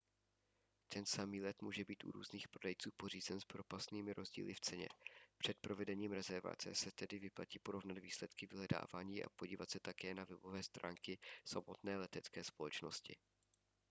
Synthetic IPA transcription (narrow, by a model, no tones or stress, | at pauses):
t̪ʰɛnsamiːlɛt̪muːʒɛbiːt̪ʔṵɾṵːzniːxpɾodɛjt͡suːpo̞riːzɛnspɾo̞past̪niːmɪɾʔo̞zɟḭːlɪft͡sɛɲɛ̰pr̥ɛt̪̚pɾo̞vɛdɛɲiːmɾɛzɛɾva̰t͡sɛ̰sɛt̪ɛdɪvɪpla̰ciːpo̞ɾo̞vnad̪viːslɛt̪kɪvɪɦlɛda̰ːvaːɲiːʔa̰po̞ɟiːvat̪sɛt̪akɛːnavɛbo̞vɛːst̪ɾʔa̰ːŋkɪsamot̪nɛːlɛt̪ɛtt͡skɛːspo̞lɛt͡ʃno̞̰scɪ̰